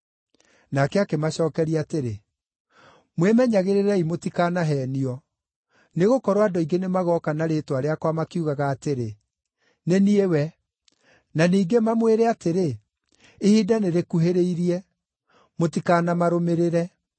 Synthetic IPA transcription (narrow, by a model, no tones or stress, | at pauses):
nakɛakemaʃɔːkɛɾiateɾe | mwemɛɲaɣeɾeɾɛimotikaːnaɦɛːniɔ | neɣokɔɾoadɔiɡenemaɣɔkanaɾetwaɾeakwamakiuɣaɣaːteɾe | neniewɛ | naniːɡemamweɾeateɾe | ehidaneɾekuɦeɾeiɾiɛ | motikaːnamaɾomeɾeɾɛ